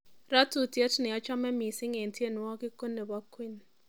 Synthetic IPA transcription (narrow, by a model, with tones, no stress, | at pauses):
ra˦tʰu˨ti˦a˦tni˨ja˦t͡ʃʰa˦mɛ˦mi˨si˦ŋe˨ntʰi˦e˦˨nu˨˦wa˦ki˦kɔ˦nɛ˨βa˦kʰwi˦˨n